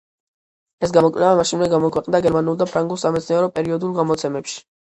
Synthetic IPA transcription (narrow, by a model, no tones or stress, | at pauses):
ɛsɡamɔkʼlɛvamaʃinmɛɡamɔkʰwɛqʼnd̪aɡɛɾmanulˠd̪apʰɾaŋɡulˠsamɛt̪sʰniɛɾɔpʼɛɾiɔd̪ulˠɡamɔt̪sʰɛmɛpʃi̥